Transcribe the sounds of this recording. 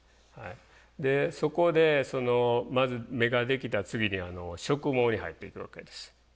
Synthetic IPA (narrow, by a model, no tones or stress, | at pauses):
ha̰i | d̪e̞so̞ko̞d̪e̞so̞no̞mazɨme̞ɡad̪e̞kʲit̪at͡sɨɡʲiɲ̟iano̞ɕo̞kɯ̟mo̞ːɲ̟iɦa̰it̪ːe̞̰ikɯ̟βa̰ke̞d̪e̞sɨ̥